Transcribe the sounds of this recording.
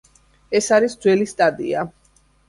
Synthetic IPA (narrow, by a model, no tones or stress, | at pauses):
ɛsaɾisd̪zwɛlist̪ʼad̪ʼḭa